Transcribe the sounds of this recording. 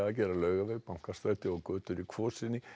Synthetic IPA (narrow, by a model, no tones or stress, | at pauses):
aacɛːɾalœːɥɣavejɣpawŋ̥kast̪ɾajt̪ɪɔkœːt̪ʏɾikʰvɔːsɪnːɪ